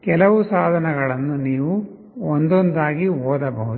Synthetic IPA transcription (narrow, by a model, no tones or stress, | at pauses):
kɛlɐʋusaːd̪ʱɐnɐɡɐɭɐnːuniːʋu | ond̪ond̪aːɡiɔːd̪ɐbɐɦud̪